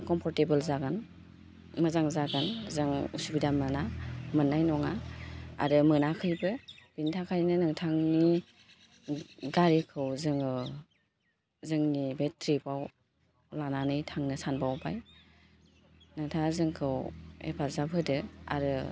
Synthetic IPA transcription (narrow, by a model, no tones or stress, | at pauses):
kɔmpʰɔɾtebɯlzaɡan | mɯzaŋzaɡanzɯŋusubidamɯnamɯnːajnɔŋaa̰ɾɯmɯnakʰɯjbɯb̥intʰakʰajnɯnɯŋtʰaŋni | ɡaɾekʰɯwzɯŋɯ | zɯŋnibetɾibaw | lananɯjtʰaŋnɯsanbawba̰j | nɯŋtʰazɯŋkʰɯwḛpʰalzabʰɯdɯa̰ɾɯ